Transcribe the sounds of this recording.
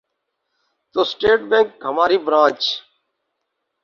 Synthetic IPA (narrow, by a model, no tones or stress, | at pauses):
t̪oːsʈeːʈbẽːŋkɦəmaːɾiːbɾãːt͡ʃ